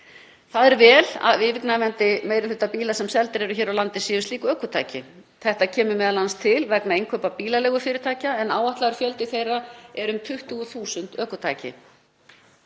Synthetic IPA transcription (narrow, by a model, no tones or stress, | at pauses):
θaðɛɾvɛːla̰ðɪvɪknavɛnt̪ɪmeːjɾɪlʏht̪ːapiːlasɛmsɛlt̪ɪɾɛɾʏçɛːɾawlant̪ɪsɪːvʏst̪liːkʏœːkʏt̪ʰa̰ːjcɪ | θɛht̪acʰɛːmʏmɛðalanst̪ʰɪlvɛknaejŋkʰvœpapiːlalɛːɣʏfɪɾɪɾ̥t̪ʰaːjcaɛnaːwaht̪laɣɾ̥fjœlt̪ɪθejrːaɛɾʏmt̪ʰʏht̪ʏɣʏθuːsʏnt̪œːkʏt̪ʰa̰ːjcɪ̰